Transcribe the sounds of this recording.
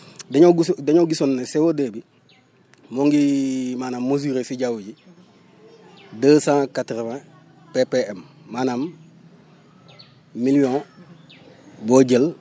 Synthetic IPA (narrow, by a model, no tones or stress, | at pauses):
deɲoɡusdeɲoɡisonːesewodebi | moŋɡimaːnamːos̬iɾesiɟawuɟi | dəːsãːkatɾemẽ | pepeemmaːnam | milijõ | boɟel